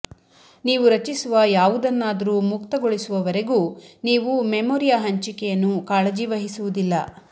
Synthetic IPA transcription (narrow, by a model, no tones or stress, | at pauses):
niːʋuɾɐt͡ʃisuʋɐjaːʋud̪ɐnːaːd̪ɐɾuːmukt̪ɐɡoɭisuʋɐʋɐɾe̞ɡuːniːʋumemoːɾijaɦɐɲt͡ʃikɛjɐnːukaːɭɐd͡ʒiʋɐɦisuʋud̪ilːɐ